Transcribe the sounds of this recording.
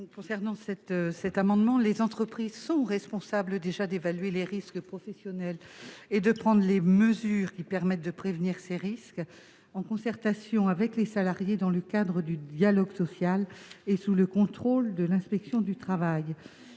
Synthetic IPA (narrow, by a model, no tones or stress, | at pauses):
kɔ̃sɛʁnɑ̃sɛt̪sɛt̪amɑ̃d̪mɑ̃lezɑ̃t̪χəpχizsɔ̃ʁɛspɔ̃sabləd̪eʒad̪evalɥeleʁiskpχɔfɛsjɔnɛled̪əpχɑ̃d̪ʁleməzyːʁkʲipɛʁmɛt̪̚d̪əpχevniʁseʁisk | ɑ̃kɔ̃sɛʁt̪asjɔ̃avɛklesalaʁjed̪ɑ̃ləkad̪ʁəd̪yd̪jalɔɡsɔsjalesuləkɔ̃t̪χold̪əlɛ̃spɛksjɔ̃d̪yt̪χavaj